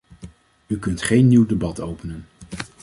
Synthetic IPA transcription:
ykɵntχejnːiwdebɑtowpənən

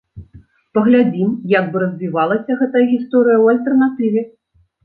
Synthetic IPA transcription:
pɐɣlʲad͡zʲimjaɡ̚bɨɾɐzʲvʲivalˠɐsʲɐɣɛt̪ɐjɐɣʲist̪ɔɾɨjɐwɐlʲt̪ɛrnat̪ɨvʲɛ

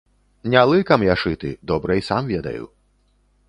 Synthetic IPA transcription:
nʲalˠɨkɐmjaʂɨt̪ɨ̰d̪ɔbɾɐisamvʲɛd̪ɐ̰jṵ

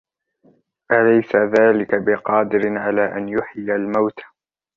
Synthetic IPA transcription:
ʔalajsaðaːlɪkabɪqɑːd̪ɪɾɪʕalaːʔanjʊħɪjalmawt̪ḁ

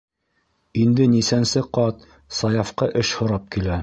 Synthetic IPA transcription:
ind̪ɘnisænsɘqɑt̪ | sɑjɑfqɤʔɘʃhŏɾɑp̚kilæ

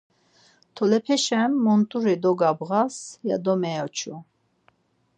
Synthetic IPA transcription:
t̪ʰɔlɛpʰɛʃɛmːɔnt̪ʼuɾid̪ɔɡabʁasja̰d̪ɔmɛjɔt͡ʃʰu

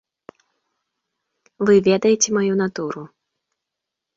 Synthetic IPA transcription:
vɨvʲɛd̪ɐjɛt͡sʲɛmajun̪at̪uɾu

